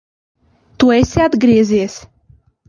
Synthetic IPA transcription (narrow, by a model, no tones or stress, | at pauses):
t̪uɔesʲiad̪ɡɾiɛziɛs